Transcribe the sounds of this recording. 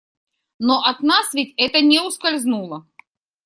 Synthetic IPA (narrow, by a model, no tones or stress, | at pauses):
noʔɐt̪nasvʲɪtʲɛt̪ənʲeʊskɐlʲznulˠə